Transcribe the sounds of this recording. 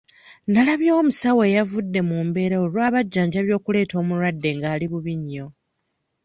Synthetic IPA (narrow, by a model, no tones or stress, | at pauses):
nalaβjo̞ːmusawe̞javudːe̞muːmbe̞ɾaolwaːβaɟːaːɲɟaβjo̞ːkule̞ːto̞ːmuɾwadːe̞ŋɡaːliβuβiɲːo̞